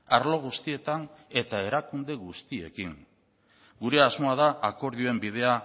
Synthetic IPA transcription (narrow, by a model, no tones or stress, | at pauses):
aɾlo̞ɣ̞ust̪ie̞t̪ane̞t̪ae̞ɾakund̪e̞ɣust̪ie̞̰kiŋ | ɡuɾe̞azmo̞aðaʔako̞ɾðioembiðe̞a